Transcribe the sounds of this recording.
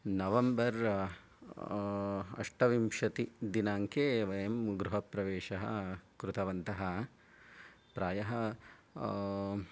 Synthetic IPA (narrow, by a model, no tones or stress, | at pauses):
nɐʋɐmbɐɾ | ɐ̰ʂʈɐʋimʂɐt̪id̪inaːŋkeːʋɐjɐmɡɾuɦɐpɾɐʋeːʃɐɦɐ̰kɾut̪ɐʋɐnt̪ɐɦɐ̆ | pɾaːjɐɦɐ